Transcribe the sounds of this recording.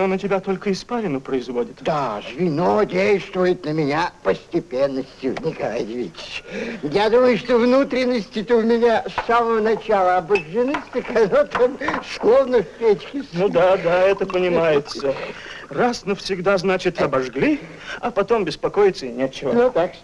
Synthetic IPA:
nonətʲɪbʲat̪o̞lʲkəɪspaɾʲɪnʊpɾəɪzvodʲɪt̪d̪aʐvʲɪnodʲejst̪vʊjɪt̪nəmʲɪnʲapəsʲtʲɪpʲenːəsʲtʲjʊnʲɪkɐlˠa̰jɪdʲɪvʲḭtʲɪ̥t͡ʃjad̪uməjʊʂt̪ovnut̪ɾʲɪnːəsʲtʲɪt̪əʊmʲɪnʲasːaməvənɐt͡ɕalˠəɐbəʐːɨnɨsʲt̪ʲəkɐnot̪amsklˠovnəfʲpʲet͡ɕkʲɪsʲnud̪ad̪aɛt̪əpənʲɪmajɪt̪sərasnəfsʲɪɡd̪aznat͡ɕɪt̪ɐbɐʐɡlʲi | ɐpɐt̪o̞mbʲɪspɐko̞jɪt̪səɪnʲet̪t͡ɕːɪvənut̪ak

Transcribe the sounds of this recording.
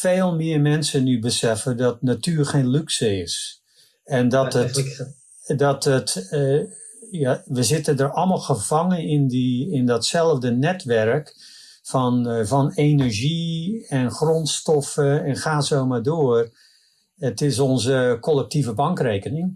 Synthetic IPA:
feːlˠmɪːərmɛnsənybəsɛfədɔt̚natyːərxeːnlyksəɪs | ɛndɔtət | dɔtət | jaʋəzɪtədərɔlˠmɔlˠxəvɑŋəɪndiɪndɔtsɛlˠəvdənɛtʋɛrk | fɔnvɔnenərʒiɛnxrɔntstɔfəɛnxaːzowmaːrdoər | ətɪs̬ɔnzəkʰɔlˠɛk̚tivəbɑŋkreːkənɪŋ

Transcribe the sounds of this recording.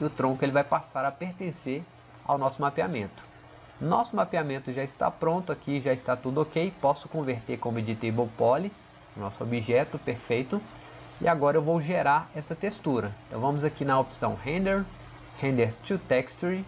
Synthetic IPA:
ɪʊt̪ɾõkʊelɪvajpasaɾɐpeɾt̪ẽseɾ | a̰wnɔsʊmapiamẽnt̪ʊ̥ | nɔsʊmapiamẽnt̪ʊʒaɪst̪a̰pɾõnt̪ʊakiʒaɪst̪at̪ud̪ʊokejpɔsʊkõveɾt̪eɾkõmid͡ʒit̪ebowpɔli | ʊnɔsʊo̰biʒɛt̪ʊpeɾfejt̪ʊ | ḭaɡɔɾɐewvowʒeɾaɾɛsɐt̪est̪uɾɐẽt̪ɐ̃w̃vɐ̃mʊzakinɐopi̥sɐ̰̃w̃hẽd̪eɾ | hẽnd̪eɾt͡ʃ̪ut̪ɛkst̪uɾi

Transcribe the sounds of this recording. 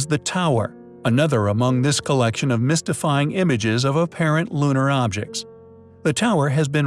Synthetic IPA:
zðɨtʰaʊə̰˞ | ənʌðə˞əmʌ̃ŋðɪskʰəlɛkʃɨ̃nʌvmɪstɨfaɪɪ̃ŋɪ̃mɨd͡ʒɪzʌvəpʰɛɹɨ̃nʔlũɾ̃ə˞ɑb̚d͡ʒɨ̰k̚ts | ðɨtʰaʊə˞ɨzbɨ̃n

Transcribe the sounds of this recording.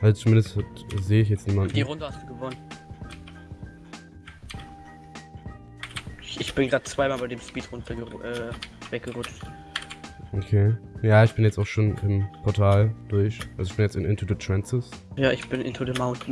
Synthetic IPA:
ʔalzot͡sumɪndəsthatzeːəɪç̬jɛt͡sniːmanʔndiːʁʊndəhastd̥uːɡəvɔnən | ɪçb̥ɪnɡʁaːdt͡sv̥aɪmaːlbaɪdeːmʃpiːtʁʊntʰɐɡəʔɛːvɛk̚ɡ̥əʁʊt͡ʃt | ʔokʰeːjaːɪçb̥ɪnjɛt͡saʊxʃoːnɪmpʰɔɐtʰaːld̥ʊɐçʔalzoɪçb̥ɪnjɛt͡stɪnʔɪntʰədətʁ̥ɛnsɪsjaːʔɪçb̥ɪnʔɪ̰ntʰədəmaʊntn̩

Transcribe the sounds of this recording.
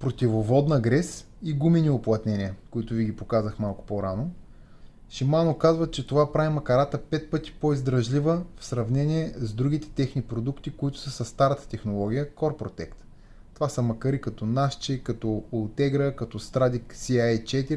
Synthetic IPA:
pɾot̪ʲivovɔd̪nəɡɾɛs | iɡuminiʊplˠɐt̪nɛnʲiəkʊit̪ʊviɡʲipokazəxmalˠkʊ̥poɾano | ʃimanokazvət͡ʃɛt̪ovapɾavimɐkɐɾat̪əpɛt̪̚pɤt̪i̥poizd̪ɾɐʒlʲivəfsɾɐvnɛniɛzd̪ɾuɡ̟it̪ɛ̥t̪ɛxnipɾod̪ukt̪ikoit̪ʊ̥səsɐst̪aɾət̪ə̥t̪ɛxnolˠɔɡ̟ʲijəkɔɾpɾot̪ɛkt̪ | t̪ːovasəmɐkɐɾikɐt̪ɔnaʃt͡ʃikɐt̪ɔolˠt̪ɛɡɾəkɐt̪ɔst̪ɾad̪iksiajt͡ʃɛt̪iɾʲi

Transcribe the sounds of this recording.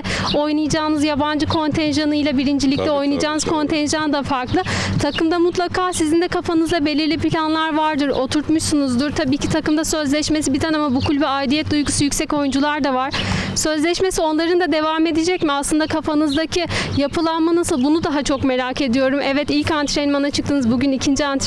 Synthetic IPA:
ɛ | o̞jnɯjad͡ʒaːnɯzjaband͡ʒɯkʰo̞nt̪ʰɛnʒanɯjlˠabiɾind͡ʒilʲic̚t̪ɛo̞jnɯjad͡ʒaːnɯz̥kʰo̞nt̪ʰɛnʒand̪afaɾklˠɯt̪ʰakɯmd̪amut̪lˠakʰaːsizind̪ɛkʰafanɯzd̪abelʲiɾlʲipilʲanlˠaɾvaɾd̪ɯɾo̞t̪ʰuɾt̪muʃsunuzd̪uɾt̪ʰabiːcʰit̪ʰakɯmd̪asøzlʲɛʃmes̬ibit̪ʰanamabukʰulʲbɛajd̪ijɛt̪̚d̪ujɡusujycsɛco̞jund͡ʒulˠaɾd̪avaɾ̥sø̞zlʲɛʃmesio̞nlˠaɾɯnd̪ad̪e̞vaːme̞d̪ed͡ʒɛcmiaslˠɯnd̪akʰafanɯzd̪acʰijapʰɯlˠanmanasɯlˠbunud̪aɦat͡ʃʰo̞kme̞ɾake̞d̪ijo̞ɾumʔɛvɛt̪ilʲcant̪ɾenimanat͡ʃʰɯkt̪ɯnɯzbuɟynicʰind͡ʒiant̪

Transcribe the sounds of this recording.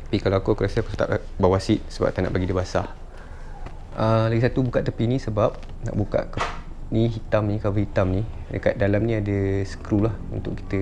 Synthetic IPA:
t̪ḁpikaloakokulasiakusət̪a̰p̚bawasiʔ̪̚səba̰p̚t̪ana̰ʔbaɡidəbasa̰h | ʔələɡisat̪ubukaʔt̪əpinĩsəbap̚ | na̰ʔbuka̰ʔk̪ə | niɦit̪amnikalobəɦit̪amnidəkat̪̚dalamnĩadəsə̥kɾulahunt̪ʊki̥t̪ə

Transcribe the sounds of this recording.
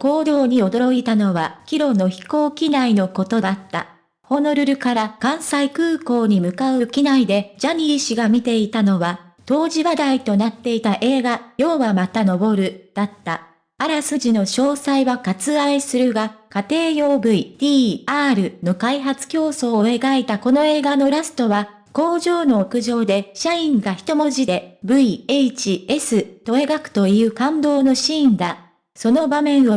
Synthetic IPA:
ko̞ːd̪o̞ːɲ̟io̞d̪o̞ɾo̞it̪ano̞βakʲiɾo̞no̞çi̥ko̞ːkʲinaino̞ko̞t̪o̞d̪at̪ːa̰ | ho̞no̞ɾɯ̟ɾɯ̟kaɾakãɰ̃saikɯ̟ːko̞ːɲ̟imɯ̟kaɯ̟kʲinaid̪e̞d͡ʑaɲ̟ʲiːɕiɡamʲit̪e̞it̪ano̞βa | t̪o̞ːʑiβad̪ait̪o̞nat̪ːe̞it̪aʔe̞ːɡajo̞ːβamat̪ano̞bo̞ɾɯ̟d̪̥at̪ːa | aɾasɨʑino̞ɕo̞ːsaiβakat͡sɨaisɨɾɯ̟ɡakat̪e̞ːjo̞ːbɯ̟it̪ʲiːaːɾɯ̟no̞kaiɦat͡sɨ̥kʲo̞ːso̞ːe̞ɡaet̪ako̞no̞e̞ːɡano̞ɾasɨ̥t̪o̞βa | ko̞ːʑo̞ːno̞ːkɯ̟ʑo̞ːd̪e̞ɕaĩŋɡaçi̥t̪o̞mo̞ʑid̪e̞bɯ̟ieit͡ɕie̞sɨt̪o̞e̞ɡakɯ̟̥t̪o̞iɯ̟ːkãnd̪o̞ːno̞ɕĩːnd̪a | so̞no̞bamẽ̞ɰ̃o

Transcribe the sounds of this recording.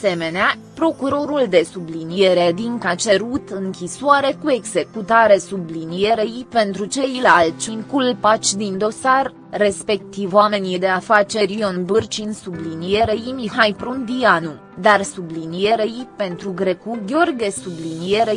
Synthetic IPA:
se̞me̞nea | pɾo̞kuɾo̞ɾuld̪e̞sublinije̞ɾed̪iŋkat͡ʃe̞ɾut̪ɨŋkʲisoaɾe̞kue̞ɡze̞kut̪aɾe̞sublinije̞ɾe̞jpe̞nt̪ɾut͡ʃe̞jlalt̪t͡ʃiŋkulpat͡ʃʲd̪ind̪o̞sarː | e̞spe̞k̚t̪ivoame̞nijd̪e̞afat͡ʃe̞ɾio̞nbɨrt͡ʃinsublinije̞ɾeimiɦajpɾund̪ianu | d̪arsublinijeɾe̞jpe̞nt̪ɾuɡɾe̞kuɡʲeo̞rɡʲe̞sublinijeɾe

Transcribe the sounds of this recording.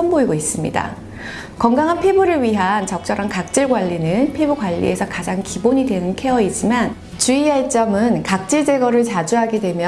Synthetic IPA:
ʌmboiɡois͈ɯmɲḭda̰ | kʌŋɡaŋɦanpʰe̞buɾɯɭɥiɦant͡ɕʌk̚t͡ɕ͈ʌɾankak̚t͡ɕ͈iɭɡwaʎːinɯnpʰebuɡwaʎːḭe̞sʰʌkad͡ʑaŋkiboɲidwe̞nɯnkʰe̞ʌid͡ʑiman | t͡ɕuiaɭt͡ɕ͈ʌmɯnkak̚t͡ɕ͈iɭd͡ʑe̞ɡʌɾɯɭt͡ɕad͡ʑuɦaɡe̞dwe̞mjʌ

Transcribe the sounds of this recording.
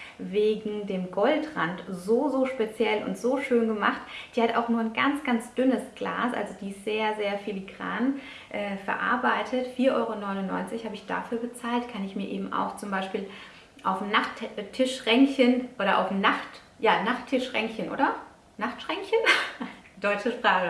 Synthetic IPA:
veːɡŋ̩deːmɡɔltʁantzoːzoːʃpet͡sjɛlʊ̰ntz̥oːʃøːnɡəmaχtd̥iːhata̰ʊxnuːɐnɡa̰nt͡sɡ̥ant͡sd̥ʏnəsɡ̥la̰ːsʔa̰lzod̥iːsz̥eːɐzeːɐfiliɡʁa̰ːn | ʔɛːfɛɐʔa̰ɐbaɪtʰətfiːɐʔɔʏʁonɔʏnʊnːɔʏnt͡sɪçhaːbəɪçd̥a̰fyːɐbət͡saːltkʰanɪçmiːɐʔḛːbm̩ʔa̰ʊxt͡sʊmbaɪʃpiːl | ʔaʊfnaχttʰɪʃʁɛŋçənʔoːɾɐʔa̰ʊfnaχt | jaːnaχtʰɪʃʁɛŋçənʔo̰ːdɐ | naχtʃʁ̥ɛŋçən | d̥ɔʏt͡ʃəʃpʁ̥aːχə

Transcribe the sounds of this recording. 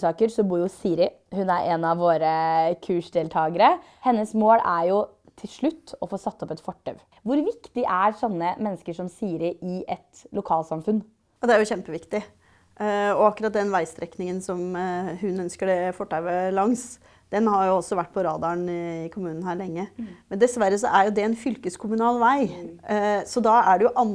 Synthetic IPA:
sɑːkəɾsɔbuːɾjʊsiːɾɪ | hʉnæɾʔeːnɑʋːoːɾəkʰʉːʂɖ̪eːlt̪ʰɑːɡəɾə | hɛnːəsmoːlæɾjʊ | t̪ʰɪlʂɭʉt̪ːɔfoːsɑt̪sːɔpɛt̪fɔʈʰːœ̰ʋ | ʋʊɾʋɪkt̪ɪʔæɾsɔnːəmɛnːskəʂɔmsiːɾɪʔɪʔɛt̪lʊkʰɑːlsɑmfʉnː | ɔd̪ɛæɾjʊɕɛmpəʋɪkt̪ɪ | ɔɑkʉɾɑt̪̚d̪ɛnʋæɪst̪ɾɛknɪŋənsɔmɦʉnœnskəɖɛfɔʈʰːæʋəlɑŋs | d̪̥ɛnhɑɾjʊɔsɔʋæʈːpʰɔɾɑːd̪ɑəɳɪkʰʊmʉːnn̩hæːɾɭɛŋːəmɛnd̪ɛsʋæɾːəs̬ɔʔæɾjʊd̪ɛɛnfʏlkəskʰʊmʉnɑːlʋæɪ | sɔd̪ɑæɖɛjʊʔɑn

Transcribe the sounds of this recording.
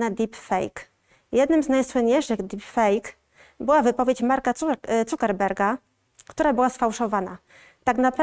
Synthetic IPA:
nad̪ʲipfɛ̰jk | jɛd̪nɘmznajswɘɲːejʂɘɣd̪ʲipfɛjk | bɘwavɘpɔvʲjet͡ɕmaɾkat̪sukɛɾbɛɾɡa | kt̪uɾabɘwasfawʂɔvana̰ | t̪aknapɾ

